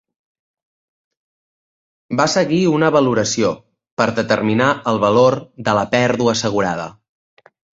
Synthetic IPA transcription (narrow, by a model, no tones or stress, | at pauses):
basəɣiunəβəluɾəsio | pəɾðət̪ərminaəlˠβəloɾðələpɛɾðuəːsəɣ̞uɾa̰ð̞ə̰